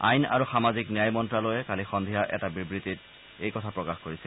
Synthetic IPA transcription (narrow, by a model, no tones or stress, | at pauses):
a̰jna̰ɹuxamaziknijajmɔntɹalojɛkalixɔnd̪ʱijaʔɛtabibɹitit̚ | ejkɔtʰapɹɔkaxkoɹisɛl